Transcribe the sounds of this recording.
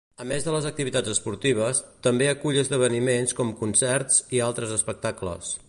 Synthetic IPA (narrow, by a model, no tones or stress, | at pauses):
əmezðələzək̚t̪iβit̪ad͡zəspuɾt̪iβ̞əst̪əmbeəkuʎəzðəβ̞ənimenskɔmkunsɛrt͡sialˠt̪ɾəzəspək̚t̪aklə̰s